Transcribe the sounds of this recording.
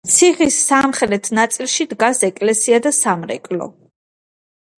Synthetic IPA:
t̪sʰiʁisamχɛlɛt̪ʰnat̪sʼilˠʃid̪ɡasɛkʼlɛsiad̪asamɾɛ̰kʼlɔ̰

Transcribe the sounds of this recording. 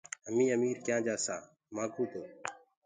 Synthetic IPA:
əmĩːəmiːɾkjãːd͡ʒaːsa̰ː | mãːkuːt̪oː

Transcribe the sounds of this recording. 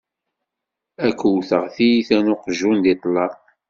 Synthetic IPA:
ækːəwθəʁθijiθænʊqʒund̪it̪ˤlɑɾ

